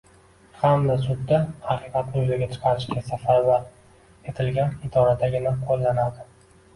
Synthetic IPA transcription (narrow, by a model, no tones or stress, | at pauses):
hamd̪asʊd̪ːahɑqɨqɑt̪nɪʊzaɡʲat͡ʃʰɨ̥qʰɑɾɪʃɡʲasafaɾbaɾ | e̞t̪ʰɪlɡʲanɪd̪ɒɾad̪ʰaɡʲɪnaqʰolˠːanad̪ɪ